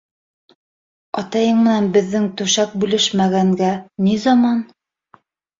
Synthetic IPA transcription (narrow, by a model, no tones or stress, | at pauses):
ɑt̪ɑjɤɴmɘ̆nænbɘ̆ðːɘŋt̪ʉʃæk̚bʉlɘʃmæɡæŋɡænizɑmɑn